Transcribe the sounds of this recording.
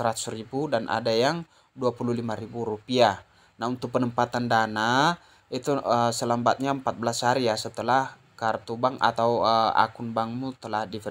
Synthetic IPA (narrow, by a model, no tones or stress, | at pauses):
əɾat̪u̥sɾibudanʔa̰dajaŋ | duapuluhlimaɾibuɾupia | naunt̪ʊk̚pənəmpat̪andana | it̪uəsələmbat̪̚ɲaəmpat̪̚bəlasaɾiasət̪əlah | kart̪ubaŋa̰t̪aua̰kunbaŋmut̪əlahdif